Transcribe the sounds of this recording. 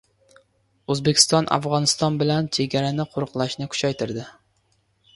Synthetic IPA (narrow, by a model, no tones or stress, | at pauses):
ɵzbekʲʰɪ̥st̪ɒnʔa̰fʁɒnɪst̪ɒnbɪlant͡ʃʰeɡʲaɾanɪqʰʊɾɨqlˠaʃnɪkʰʊ̥t͡ʃʰajt̪ʰɪɾd̪ɪ